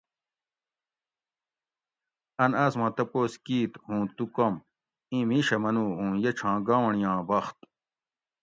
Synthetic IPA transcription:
ɐnɐsmɐ̃t̪ɐpoːskiːt̪hũːt̪ukɐm | ĩmiɕɐmɐnuːɦũːjet͡ɕʰãːɡaɳjãːbɐxt̪

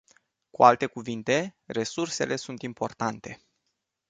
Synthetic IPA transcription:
kualt̪e̞kuvint̪e̞re̞surse̞̰le̞sunt̪impo̞rt̪ant̪e̞

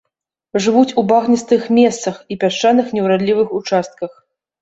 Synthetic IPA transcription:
ʐɨvut͡sʲubaɣnʲist̪ɨxmʲɛst̪sɐxipʲaʂt͡ʂanɨxnʲɛwɾad̪lʲivɨxut͡ʂast̪̚kɐx

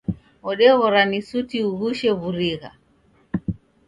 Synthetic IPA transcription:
ɔɗɛβɔɾanisutiuɣuʃɛvuɾiɣa̰

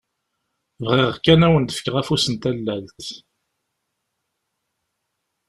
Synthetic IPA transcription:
vʁɪʁkːænæwənt̪ə̥fə̥kːʁæfusənt̪ælːælt̪

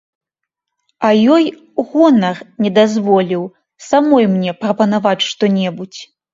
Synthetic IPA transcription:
ɐjɔj | ɣɔnɐrnʲɛd̪azvɔlʲiw | samɔjmnʲɛpɾɐpɐnavat͡sʲʂt̪ɔnʲɛbut͡sʲ

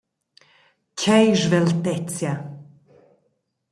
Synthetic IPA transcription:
kʲʰɛjʒvɛlt̪ɛt͡sja

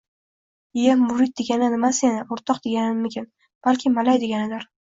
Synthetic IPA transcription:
jamːʊɾɪd̪̚d̪eɡʲanɪnɪmasjanaʊɾt̪ʰɒqd̪eɡʲanɪnmɪkʲʰɪn | b̥alkʲʰɪmalajd̪eɡʲanɪd̪ɪɾ

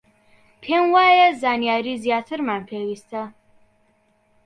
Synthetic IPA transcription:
pʰɛnwaːjazanijaɾizjat̪ʰəɾmanpʰɛwist̪ʰa

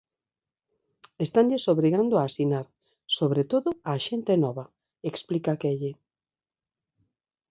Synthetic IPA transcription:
est̪aɲʎesoβɾiɣand̪oaːsinaɾ | soβɾet̪oðʊaʃent̪enɔβa | eksplikakeʎe

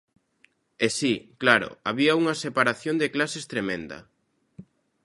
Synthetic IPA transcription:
esiklaɾʊ̰aβiɐuŋɐsepaɾaθjond̪eklasest̪ɾemẽnd̪ɐ̰

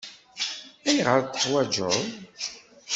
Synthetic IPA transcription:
æjʁəɾt̪ːə̥qwæd͡ʒoð

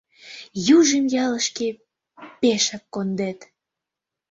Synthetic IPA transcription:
juʒəmjɑləʃke | peʃɑkːond̪et̪

